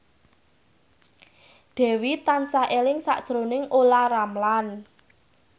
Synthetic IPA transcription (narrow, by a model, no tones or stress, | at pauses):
d̪̥ɛ̤wit̪ansaʔelɪŋsa̰ʔd̥ʒ̥ɾonɪŋolaɾamlan